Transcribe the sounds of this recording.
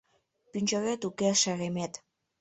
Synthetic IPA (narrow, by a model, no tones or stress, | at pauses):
pynʲt͡ʃoɣet̪ukeʃæɣemet̪